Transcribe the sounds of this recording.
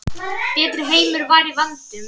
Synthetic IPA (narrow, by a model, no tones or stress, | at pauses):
pɛːt̪ɾɪɦeːjmʏɾvaɾivant̪ʏ